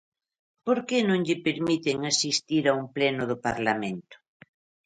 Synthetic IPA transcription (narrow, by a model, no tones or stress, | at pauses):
poɾkenõŋʎɪpeɾmit̪eŋasist̪iɾaumplɛnʊðʊpaɾlamẽnt̪ʊ̥